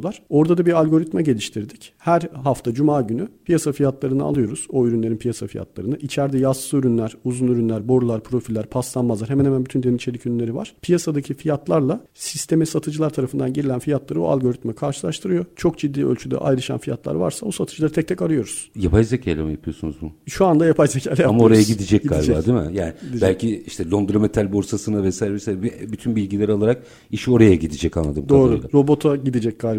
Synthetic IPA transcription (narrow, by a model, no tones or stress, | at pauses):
lˠaɾ̥o̞ɾd̪ad̪abiɾalʲɡo̞ɾit̪mɛɟe̞lʲiʃt̪ʰiɾd̪ichæɾɦaft̪ʰad͡ʒumaːɟynypʰijasafijat̪lˠaɾɯnɯa̰lˠɯjo̞ɾuz̥o̞yɾynlʲe̞ɾinpʰijasafija̰t̪lˠa̰ɾɯnɯʔit͡ʃʰæɾd̪ɛjaslˠɯyɾynlʲæɾ̥uzunyɾynlʲæɾbo̞ɾulˠaɾpʰɾo̞filʲːæɾpʰaslˠanmazlˠaɾɦmɛnhemænbyt̪ʰynd̪enit͡ʃʰeicʰyɾynlʲe̞ɾiva̰ɾ̥pʰijasad̪acʰifijat̪ʰlˠaɾlˠa | sist̪ʰe̞mɛsat̪ʰɯd͡ʒɯlˠaɾt̪ʰaɾafɯnd̪anɟiɾilʲænfijat̪lˠaɾɯo̰a̰lʲɡo̞ɾit̪mɛkʰaɾʃɯlˠaʃt̪ʰɯɾɯjo̞t͡ʃʰo̞k̚d͡ʒid̪ːiːʔø̰lʲt͡ʃʰyd̪ɛ̰ʔa̰jɾɯʃa̰nfija̰t̪lˠa̰ɾva̰ɾsabusat̪ʰɯ̥d͡ʒɯlˠaɾɯt̪ʰɛc̚t̪ʰɛcaɾɯjo̞ɾuz̥japajzecʰajlʲemijapʰɯjosunuzbuʃuand̪ajapʰajzecʰajlʲɛjaamaooɾajaɟid̪id͡ʒɛc̚iɡalʲbd͡ʒba̰d̪imɪ̰jaːnɪid̪ibæɛlʲciiʃt̪ʰɛlʲond̪ɾamet̪ʰalʲboɾsasɯnavɛsaːjɾɛvɛsaːjɾbyt̪ʰynbilʲɡɟilʲeɾalˠaɾak̚ | iʃo̞ɾajaɟid̪id͡ʒɛca̰nlˠa̰d̪ɯmkd̪aoːɾuaɾo̞bo̞t̪ʰaɟid̪id͡ʒɛc̚ɡ̥alʲb